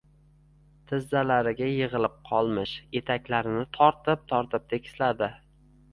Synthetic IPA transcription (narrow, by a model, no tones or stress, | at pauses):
t̪ʰɪzːalaɾɪɡʲajɪʁɨlɪp̚qʰɒlˠmɪʃje̞t̪ʰakʲlaɾɪnɪt̪ʰɒɾt̪ɪp̚t̪ʰɒɾt̪ʰɪp̚t̪ʰe̞kʲʰɪ̥slad̪ɪ